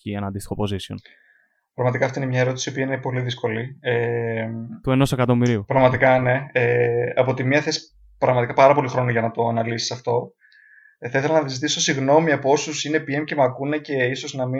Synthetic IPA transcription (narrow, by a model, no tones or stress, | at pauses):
ienɐnd̪ist̪i̥xo̞po̞zision | pɾɐɣmɐt̪ikɐft̪oinemɲɐeɾo̞t̪isio̞piɐinepo̞liðisko̞lie | t̪ueno̞sekɐt̪o̞miɾiupɾɐɣmɐt̪ikɐne̞eɐpot̪imɐθe̞si̥ | pɾɐɣmɐt̪ikɐpɐɾɐpo̞lixɾo̞noʝɐnɐt̪o̞ɐnɐlisi̥sɐft̪o̞ | θɐiθelɐnɐðizit̪iso̞siɣno̞miɐpoo̞susine̞pie̞mce̞mɐkune̞ce̞iso̞znɐmi